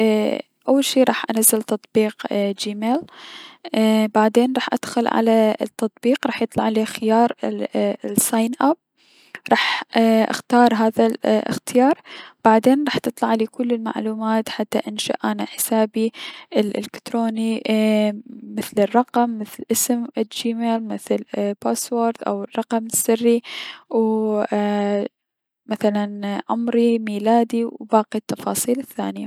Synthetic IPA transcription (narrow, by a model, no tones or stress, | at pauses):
ʔawːalʃiːɾˤɑːħʔanazːalt̪ɑt̪ˤbiːqd͡ʒiːmeːl | baʕd̪eːnɾˤɑːħʔa̰d̪̥xʊlʕa̰lat̪ːɑt̪ˤbiːqɾˤɑːħjɨt̪ˤlɑʕaleːxɪjɑːɾˤ | sajnʔab̚ | ɾˤɑːħʔa̰xt̪ɑːɾˤɦaːðalʔɪ̰xt̪ɪjɑːɾˤb̥aʕd̪eːnɾˤɑːħt̪ɨt̪ˤlɑʕaliːkʊlːɪlma̰ʕluːmaːt̪ħat̪ːaʔɪnʃa̰ʔʔanaħɪ̥saːbiʔɪlʔɪ̰lɪkt̪ɾoːni | mɪθlɪrˤːɑqɑmːɪθlʔɪsmd͡ʒiːmeːlmɪθlpaːswoːɾd̪ʔa̰wrˤːɑqɑmɪsːɪrːiw | maθalanʕʊmɾimiːlaːd̪iwbaːqit̪ːɑfɑːsˤiːlɪθːa̰ːnɪja